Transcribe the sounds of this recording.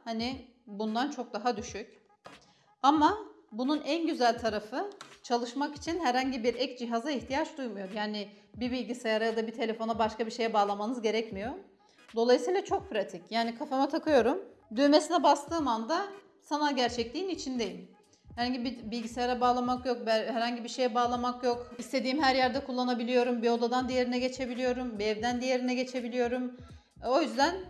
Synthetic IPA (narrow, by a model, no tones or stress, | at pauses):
hani | bund̪ant͡ʃʰo̞k̚d̪aɦad̪yʃycʲ | amabununænɟyzælʲt̪ʰaɾafɯt͡ʃʰalˠɯʃmaki̥t͡ʃʰinɦæɾhaɲɟibiɾɛcd͡ʒiɦazaiçt̪ʰijat͡ʃd̪ujmujo̞ɾjaːnɪbibilʲɟisajaɾajad̪abit̪ʰe̞lʲe̞fo̞nabaʃkabiɾʃe̞jɛbaːlˠamanɯzɟe̞ɾɛcmijo̞ | d̪o̞lˠajɯsiːlˠat͡ʃʰo̞k̚pʰɾat̪ʰicjaːnikʰafamat̪ʰakʰɯjo̞ɾumd̪øme̞sinɛbast̪ʰɯːmand̪a | sanaɟæɾt͡ʃʰɛclʲiːnit͡ʃʰind̪e̞jil | hɛɾhaɲɟibibilʲɟisajaɾabaːlˠamakjo̞k̚bhæɾhaɲɟibiʃe̞jɛbaːlˠamakjo̞kist̪ʰe̞d̪iːmɦæɾjæɾd̪ɛkʰulˠːanabilʲijo̞ɾumbiod̪ad̪and̪ije̞ɾinɛɟe̞t͡ʃʰe̞bilijo̞ɾumbiɛvd̪ænd̪ije̞ɾinɛɟe̞t͡ʃʰe̞bilʲijo̞ɾum | o̞jyzd̪æn